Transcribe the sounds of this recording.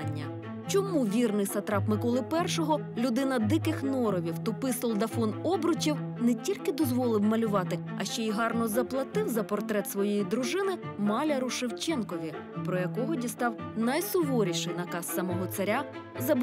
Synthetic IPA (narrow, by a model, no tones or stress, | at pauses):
nʲːɐ̰ | t͡ʃɔmuʋʲirnɪjsɐt̪ɾɑpmɪkɔlˠɪpɛrʃɔɦɔ | lʲʊd̪ɪnɐd̪ɪkɪxnɔɾɔʋʲiwt̪ɔpɪsʊlˠd̪ɐfɔnɔbɾɔt͡ʃʲiwnɛtʲilʲkɪd̪ɔzʋɔlˠɪwmɐlʲʊʋɑt̪ɪɐ̰ʃt͡ʃɔiɦɑrnɔzɐplˠɐt̪ɪwzɐpɔrt̪ɾɛt̪sʋɔjejid̪ɾʊʒɪnɪmɑlʲɐɾʊʃɪwt͡ʃɛnkɔʋʲi | pɾɔjɐkɔɦɔdʲist̪ɑwnɐjsʊʋɔɾʲiʃɪjnɐkɑsːɐmɔɦɔt̪sɐɾʲa | zɐb